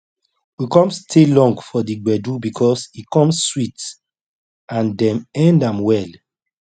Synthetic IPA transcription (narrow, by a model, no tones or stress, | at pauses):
wikɔ̃mstʰelɔ̃ŋɡfɔdiɡ͡bɛdubikʰɔsikɔ̃msːwit | ãndɛ̃mɛ̃ndãmwɛl